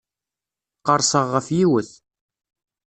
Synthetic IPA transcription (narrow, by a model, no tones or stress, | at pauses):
qəɾˤsəʁːəfjiwəθ